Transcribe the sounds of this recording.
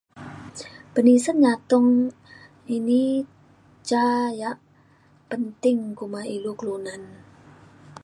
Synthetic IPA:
b̥ə̤nisənɲat̪ʊŋ | ini | t͡ʃajaʔ | pənt̪ɪŋkumailuklonan

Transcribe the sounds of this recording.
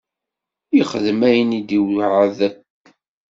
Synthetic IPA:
iχəðmæjənid̪iwʕaðəp

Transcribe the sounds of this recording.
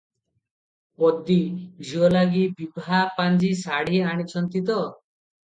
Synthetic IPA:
pɔd̪id͡ʒʱiɔlaɡibibʱapand͡ʒisaɽiaɽ̃it͡ʃʰɔnt̪it̪̬ɔ

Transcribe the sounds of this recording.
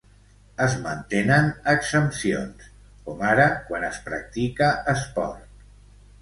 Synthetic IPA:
əzmənt̪enənəksəmpsio̰ns | kɔmaɾəkwanəspɾə̰k̚t̪ikəəspɔ̰rt̪̚

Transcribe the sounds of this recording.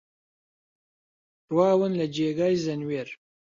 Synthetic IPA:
ʈwɑːwənlad͡ʒeɡajzanweɾ

